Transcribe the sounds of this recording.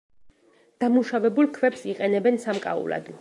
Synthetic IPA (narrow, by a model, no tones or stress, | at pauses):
d̪̥amuʃavɛbulˠkʰvɛpsiqʼɛnɛbɛnsamkʼa̰ṵla̰d̪